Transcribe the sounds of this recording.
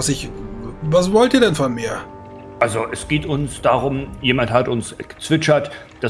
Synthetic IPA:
asɪçvasvɔltiːɐdɛnfɔnmeːɐ | ʔalzoʔɛsɡ̥eːtʊnsd̥aːʁʊmjeːmanthatʊnsɡ̥ə̥t͡sv̥ɪt͡ʃɐt | d̥a

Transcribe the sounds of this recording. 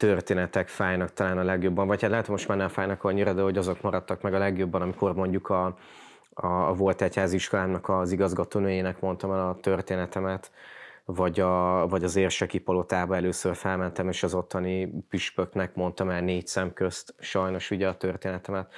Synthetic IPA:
t̪ørt̪eːnɛt̪ɛkfaːjnɒk̚t̪ɒlaːnɒlɛɡjo̞bːɒɱvɒchat̪laːt̪moʃt̪manːɛɱfaːjnɒkɒɲːiɾɒd̪øɦoɟɒzo̞kmɒɾɒt̪ːɒkmɛɡɒlɛɡjo̞bːɒnɒmiko̞rmo̞ɲɟukʰɒ | ɒ̰ːvo̞lt̪ɛchaːziʃko̞laːmnɒkɒziɡɒzɡɒt̪oːnøːjeːnɛkmo̞nt̪ɒmɛlɒt̪ørt̪eːnɛt̪ɛmɛt̪vɒɟɒvɒɟɒzeːrʃɛkipɒlo̞t̪aːbɒɛløːsørfɛlmɛnt̪ɛmeːʃɒzo̞t̪ʰːɒnipyʃpøknɛkmo̞nt̪ɒmɛlneːcsɛmkøst̪ʃɒjno̞ʃuɟɛɒt̪ørt̪eːnɛt̪ɛmɛt̪

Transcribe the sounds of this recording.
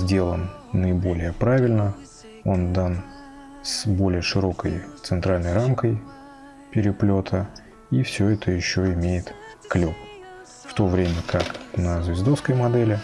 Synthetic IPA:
zʲdʲe̞lˠənː | əɪbo̞lʲɪjəpɾavʲɪlʲnə | o̞nd̪an | sbo̞lʲɪjəʂɨɾo̞kə̰jt̪sɨnt̪ɾalʲnəjramkəj | pʲɪɾʲɪplʲo̞t̪ʰə | ifsʲoɛt̪ʰəjɪɕːoɪmʲejɪt̪klʲop | ft̪o̞vɾʲemʲəkaknəzvʲɪzd̪ofskəjmɐd̪ɛlʲɪ

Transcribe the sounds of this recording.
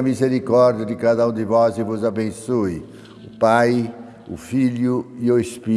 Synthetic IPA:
ɐmizeɾikɔɾd͡ʒiɐd̪ɪkad̪ɐũd̪ɪvɔzɪvʊzabẽsoɪ | ʊpaj | ʊ̰fiʎʊɪʊespi

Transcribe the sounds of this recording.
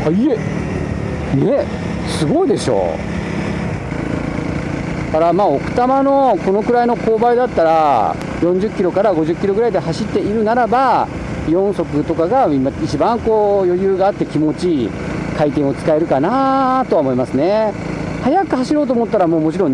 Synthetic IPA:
ie | ne | sɨɡo̞id̪e̞ɕo̞̰ː | kaɾamaːo̞kɯ̟̥t̪amano̞ko̞no̞kɯ̟ɾaino̞ko̞ːbaid̪at̪ːaɾa | jõ̞ɲ̟d͡ʑɨkʲːiɾo̞kaɾaɡo̞ʑɨkʲːiɾo̞ɡɯ̟ɾaid̪ehaɕit̪ːe̞iɾɯ̟naɾaba | jõ̞ɰ̃so̞kɯ̟t̪o̞kaɡaimait͡ɕibãŋko̞ːjojɯːɡaːt̪ːe̞kʲimo̞t͡ɕi | kait̪ẽ̞ɰ̃o̞t͡sɨ̥kae̞ɾɯ̟kanat̪o̞aomo̞imasɨne̞ | hajakɯ̟haɕiɾo̞ːt̪oːmo̞t̪ːaɾamo̞ːmo̞t͡ɕiɾõ̞

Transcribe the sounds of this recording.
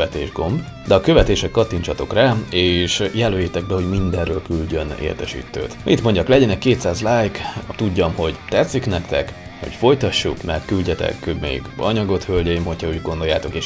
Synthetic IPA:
ɛt̪eːʒɡo̞mb | d̪ɛɒkø̞vɛt̪eːʃɛkːɒt̪ːiɲt͡ʃɒt̪o̞kraːeːʃjɛlːøːjeːt̪ɛɡ̚bɛho̞ɟmind̪ɛrːøːlkylɟø̞nḛːrt̪ɛʃḭːt̪ːø̰ːt̪ʔit̪mo̞ɲɟɒklɛɟɛnɛkːeːt̪saːzlaːjkt̪uɟːɒmho̞ɟt̪ɛt̪siknɛkt̪ɛk | ho̰cfo̞jt̪ɒʃːukmɛrt̪̚kylɟɛt̪ɛ̰kːømḛɡɒɲɒɡo̞t̪hølɟɛjimho̞cʰhɒuːɟɡond̪o̞jaːt̪o̞keːʃ

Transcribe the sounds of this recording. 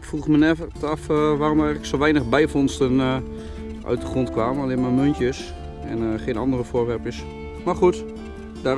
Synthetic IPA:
ɪkfruxmənɛətafʋaːromərɛjɣləksoʋɛjnəxbɛjfɔnstən | ʔœ̰ɥt̚dəχrontkʋaːməalɪəmamøntjəs | ɛ̰nχeːnɑndərəfoːʋɛrpjəs | marxut | d̥a

